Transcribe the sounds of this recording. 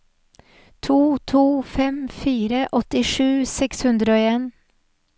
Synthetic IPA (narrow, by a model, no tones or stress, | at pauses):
t̪ʰuːt̪ʰuːfɛmfiːɾəʔɔt̪ɪʂʉːsɛkshʉnd̪ɾəoːeːn